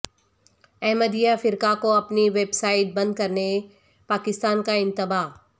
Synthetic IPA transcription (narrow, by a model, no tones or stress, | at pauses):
ɛɦməd̪ijafɪɾkakoɐpniʋeːbsaːɪʈ̚bɐ̃nd̪̚kɐɾne | paːkɪst̪aːnkãɪ̃nt̪ɪbaː